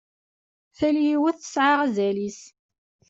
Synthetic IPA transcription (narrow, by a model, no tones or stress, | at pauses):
θæljiwæθə̥sʕaʁæzælis